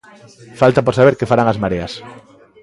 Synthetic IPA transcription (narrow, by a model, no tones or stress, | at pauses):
falt̪apoɾsaβ̞eɾkefaɾaŋazmaɾeas